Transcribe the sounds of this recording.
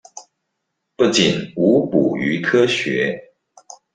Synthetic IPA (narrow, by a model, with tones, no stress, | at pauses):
pu˥˩t͡ɕi˨˩nu˨˥pṵ˨˩y˧˥kʰɤ˥ɕɥɛ˨˧˦